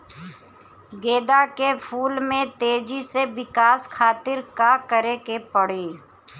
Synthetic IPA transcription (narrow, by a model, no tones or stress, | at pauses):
ɡeːd̪akepʰuːlmẽt̪eːd͡ʒiseʋɪkaːskʰaːt̪ɪɾkakəɾekepəɽeː